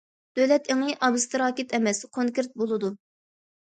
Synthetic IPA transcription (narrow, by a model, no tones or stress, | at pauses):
d̪̥ølɛt̪ʰeŋɨʔɑbɨst̪ɨɾɑːkʲɪt̪ʰɛmɛskʰoŋkʲɪɾt̪̚bolˠɨd̪u